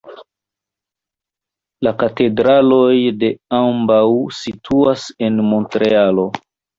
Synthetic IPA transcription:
lakate̞dɾalo̞jde̞ambawsitʰuase̞nmo̞ntɾe̞alo̞

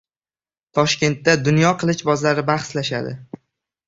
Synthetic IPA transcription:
t̪ʰɒʃkʲe̞nt̪ːad̪ʊnjɒqʰɨlˠɪʃbɒzlaɾɪbaχslaʃad̪ɪ̰

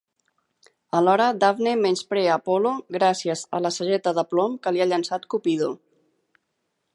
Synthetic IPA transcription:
əlɔɾəd̪avnemenspɾɛəpoloɣɾasiəzə̰ləsəʒɛt̪əðəplomkəliaʎənsat̪kupiðo

